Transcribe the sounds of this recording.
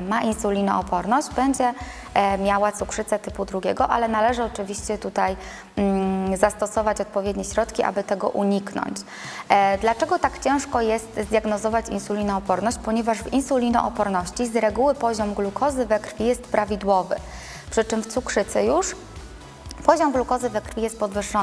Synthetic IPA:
maʔinsulʲinɔ̰ɔpɔɾnɔɕd͡ʑbɛɲd͡ʑɛ | mʲjawat̪sukʂɘt̪sɛt̪ɘpud̪ɾuɡʲɛɡɔʔa̰lɛnalɛʐɘɔt͡ʂɘvʲiɕt͡ɕɛt̪ut̪aj̩ | zast̪ɔsɔvat͡ɕɔt̪̚pɔvʲjɛd̪ɲɛɕɾɔt̪kʲiʔa̰bɘt̪ɛɡɔ̰ʔuɲiknɔ̰ɲt͡ɕ | d̪lat͡ʂɛɡɔt̪akt͡ɕɛ̃ʂkɔjɛst̪zd̪ʲjaɡnɔzɔvat͡ɕḭnsulʲinɔːpɔɾnɔɕt͡ɕpɔɲɛvaʐvinsulʲinɔ̰ʔɔpɔɾnɔɕt͡ɕizɾɛɡuwɘpɔʑɔmɡlukʰɔzɘvɛkɾfʲijɛst̪̚pɾavʲid̪wɔvɘ̰ | pʂɘt͡ʂɘmft̪sukʂɘt̪sɛjuʂ | pɔʑɔmɡlukɔzɘvɛkɾfʲijɛst̪̚pɔd̪vɘʂːɔ

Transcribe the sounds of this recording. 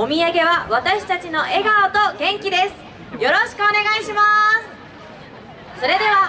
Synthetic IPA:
o̞mʲiaɡe̞βaβat̪aɕi̥t̪at͡ɕino̞ʔe̞ɡaot̪o̞ɡẽ̞ŋkʲid̪e̞sɨ̥ | jo̞ɾo̞ɕi̥kɯ̟one̞ɡaiɕimasɨ | so̞ɾe̞d̪e̞βa

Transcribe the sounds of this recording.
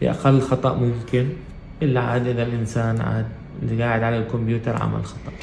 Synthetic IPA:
fḭʔa̰qalːxɑt̪ˤɑʔmʊmkɪn | ʔɪlːaʕaːd̪ʔɪðalʔɪnsaːnʕa̰ːd̪ | liɡaːʕɪd̪ʕalalkʊmbjuːt̪ɑɾˤʕa̰ma̰lxɑt̪ˤɑʔ

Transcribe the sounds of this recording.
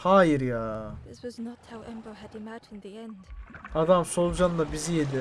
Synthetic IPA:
haːjiɾjaːðɪswʌznɔthawʔɛ̃mbəlˠædimætnðiɛ̃nd̥ad̪amso̞lˠd͡ʒanlˠabizijed̪i

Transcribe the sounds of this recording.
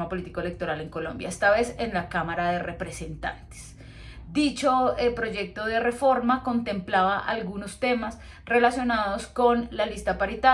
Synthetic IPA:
mapo̞lit̪i̥koele̞k̚t̪o̞ɾale̞ŋko̞lõ̞̰mbja̰est̪aβe̞se̞nlakamaɾaðe̞re̞pɾese̞nt̪a̰nt̪e̥s | d̪it͡ʃoelpɾo̞ʝe̞k̚t̪o̞ðe̞refo̞ɾmako̞nt̪e̞mplaβaʔalɡuno̞st̪e̞mas | re̞lasjo̞naðosko̞nlalist̪apaɾit̪a

